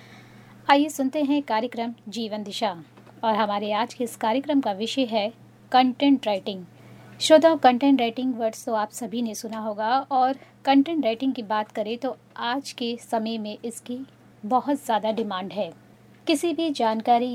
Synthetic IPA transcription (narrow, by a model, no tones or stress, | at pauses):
aːjesʊnt̪eɦɛ̃kaːɾjəkɾəmd͡ʒiːʋə̃nd̪ɪʃaː | ɔːɾɦɐmaːɾeaːd͡ʒkeɪskaːɾjəkɾəmkaʋɪʃəɦɛ | kɐ̃ɳʈɛ̃ɳʈɾaːɪʈɪ̃ŋɡ | ʃoːd̪ʱakɐ̃ɳʈɛ̃ɳʈɾeːɪʈɪ̃ŋɡʋɐɾɖsk̪oaːpsɐbʱinesʊnaɦoːɡaɔːɾkɐ̃ɳʈɛ̃ɳʈɾaːɪʈɪ̃ŋɡkibaːt̪kɐɾẽt̪o | aːd͡ʒkesɐməjmẽʔɪski | bɐɦʊt̪zjaːd̪aɖɪmãːɳɖɦɛː | kɪsibʱid͡ʒaːnkaːɾi